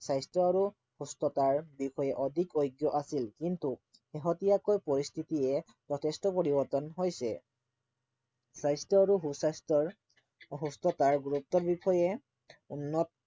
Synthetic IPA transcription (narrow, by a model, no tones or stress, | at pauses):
sajstɔaɹu | hustɔtaɹbikɔjɛʔɔdʱikojɡjɔʔasilkintu | xeɦɔtijakojpɔɹistʰitiɛ | zɔtʰɛstɔpoɹibɔɹtɔnɦojsɛ̰ | sajstɔaɹuɦusastɔ | ɦustɔtaɹɡuɹup̚tɔbikɔjɛ | unːɔt̚